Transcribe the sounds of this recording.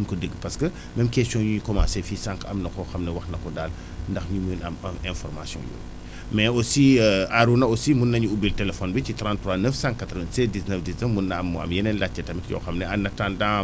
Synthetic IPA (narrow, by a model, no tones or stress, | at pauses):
mkədəɡpɐskə | mɛmkɛstɔ̃juɲukɔmãːsɛfisãŋkɐmnɐkɔxɐmnɛwɐxnɐkɔdaːl | ndɐxmimənɐmɐɛ̃nfɔrma̰sjɔ̰̃jo̰ː | mɛosiːəaɾunɐosimunːɐɲuubiltɛlɛfɔnbicitɾãntːɾwaːnəfsãŋkatɾəvɛ̃nsɛdiznəfdiznəfmunːɐɐmɐ̰mjɛnɛnlat͡ʃːɛtɐmitkjɔ̰xɐmnɛɐnːɐtãːndã